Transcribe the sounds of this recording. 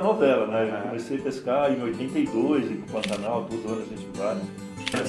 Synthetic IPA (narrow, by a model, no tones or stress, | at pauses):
novɛlɐnɛewkomesejɐpeskaẽojt̪ẽnt̪ejd̪ojzɪ̃kpɐ̃t̪anawt̪od̪ʊɐ̃nʊɐʃẽt͡ʃivaɾ